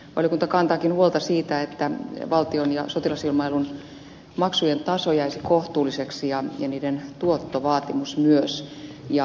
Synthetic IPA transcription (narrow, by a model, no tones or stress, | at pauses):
o̰likunt̪ɑkɑnt̪ɑːkinhuolt̪ɑsiːt̪æet̪ːæʋɑlt̪ionjɑ̰sot̪ilɑsilmɑelun | mɑksujent̪ɑsojæisikoht̪uːliseksijɑjɑniːdent̪uot̪ːoʋɑːt̪imusmyøs | jɑ